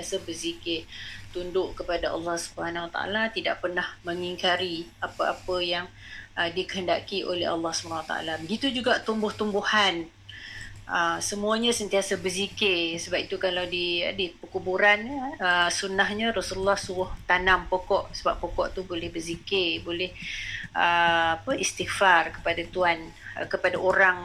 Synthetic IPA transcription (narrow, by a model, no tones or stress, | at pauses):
t̪iasabəsikɪt̪undʊʔkəpadaɑ̰lːɑhsubəhanwat̪a̰a̰lat̪idaʔpərnahməŋiŋkaɾiapəapəjaŋədikəɦənda̰kiʔo̰lɛ̰ɦɑ̰lːɑhsubəanwat̪a̰ʔa̰labəɡit̪ud͡ʒuɡaʔt̪umbʊht̪umbuhan | ʔəsəmuaɲəsənt̪iasabəsikesəbap̚it̪ukalawdia̰dipəkubuɾanəsunaɦɲəɾasululːɑhsuɾʊht̪anampokɔʔsəbapːokɔʔt̪ubolɛhbəzikebolɛhəapəʔist̪ikfarkə̥padat̪uan | kəpadaʔoɾaŋ